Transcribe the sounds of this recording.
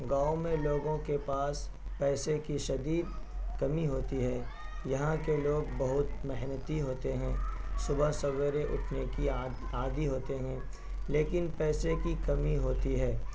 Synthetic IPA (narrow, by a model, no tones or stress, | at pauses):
ɡaːomẽloːɡõkepaːs | pɛːsekiʃɐd̪iːd̪̚ | kɐmiɦoːt̪iɦɛː | jɐɦãkeloːɡbɐɦʊt̪mɐɦnət̪iɦoːt̪eɦɛ̃ːsʊbəsɐɡəɾeʔʊʈʰneki | aːd̪iɦoːt̪eɦɛ̃ː | leːkɪnpɛːsekikɐmiɦoːt̪iɦɛː